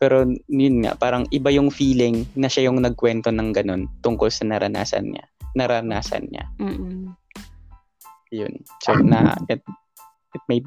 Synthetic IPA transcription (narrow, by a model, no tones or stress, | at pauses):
pɛːɾo̞jʊnŋa̰ʔpaːɾɐŋʔɪbajʊŋfiːlɪŋnɐʃajʊŋnɐɡ̚kwɛnt̪o̞nɐŋɡɐno̞nt̪ʊŋkolsɐnɐɾɐna̰ːsɐ̰nɲa̰ | nɐɾɐnaːsɐ̰nɲa̰ | jʊ̰nsɛnɐ̰ɛt̪̚ | ʔɪt̪̚mej